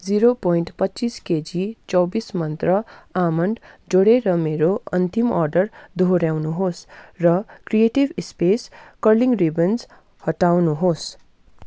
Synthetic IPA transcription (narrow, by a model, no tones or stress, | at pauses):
d͡ziɾopojɳʈpʌtːt͡sisked͡zit͡sʌwbismʌnt̪rʌamʌɳɖd͡zoɽeɾʌmeɾoʌnt̪imʌrɖʌrd̪ʱoɾjawnuɦosrʌkrijeʈibspeskʌrliŋɡribend͡z | hʌʈawnuɦos